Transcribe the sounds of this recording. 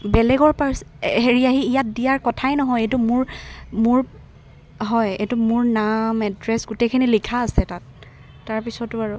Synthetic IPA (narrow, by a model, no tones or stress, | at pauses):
bɛlɛɡɔɹpasɦeɹiaɦiːjat̚dijaɹkɔtʰajnɔɦɔjejtumʊɹmʊɹ | ɦɔjejtumʊɹnamɛdɹɛsɡutejkʰinilikʰaːsɛtatː | aɹpisɔtʊaɹu